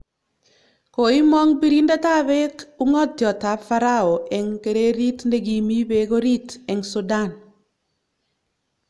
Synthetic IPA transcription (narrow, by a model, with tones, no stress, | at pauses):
ko˨i˦mɔ˦ŋbi˦ɾi˦nda˦ta˦βɛ˦ku˦ŋɔ˦tjɔ˨ta˨˦fa˦ɾao˨ɛ˨ŋke˨ɾe˦ɾi˦tne˦ɡi˨mi˦be˦ɡo˦ɾi˦tɛ˨ŋsu˨da˦n